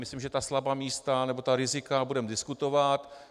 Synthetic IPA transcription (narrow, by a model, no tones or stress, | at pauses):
mɪslimʒɛt̪aslabamiːst̪anɛbo̞t̪aɾɪzɪkabudɛmdɪskut̪o̞vat̪